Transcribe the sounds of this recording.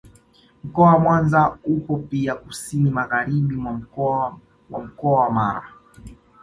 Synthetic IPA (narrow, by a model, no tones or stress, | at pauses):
m̩kɔawamwanzaukɔpiakusinimaɣaɾiɓimwa | wam̩kɔawamaɾa̰